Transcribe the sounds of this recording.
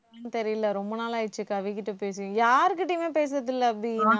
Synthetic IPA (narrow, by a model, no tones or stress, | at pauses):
t̪ɛɾɪjɪlːɐɾɔmbɐnaːlaːɪt͡ʃːɯkːɐʋɪk̬ːɪʈːɯpeːs̬ɪjʊ̃jaːɾɯkːɯʈːiːmeːpeːs̬ɯɾɐðɪlːɐɐpɽɪ